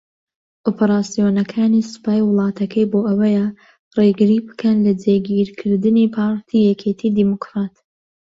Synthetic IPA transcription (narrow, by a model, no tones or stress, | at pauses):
ʔoːpʰɐɾaːsijoːnɐkʰaːnisɨ̥paːjwɨlˠɑːt̪ɐkʰɐjboːʔɐwɐja | reɡɨɾiːbɨ̥kʰɐnlɐd͡zeɡiːɾkʰɨɾd̪ɨniːpʰɑːɾt̪ʰiːjɛkʰet̪ʰid̪iːmokɾat̪